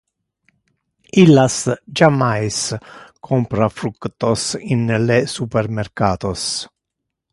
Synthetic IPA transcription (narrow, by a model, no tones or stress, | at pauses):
ilːasd͡ʒamajskʰɔmpɾafɾukt̪osinlesupeɾmeɾkaːt̪os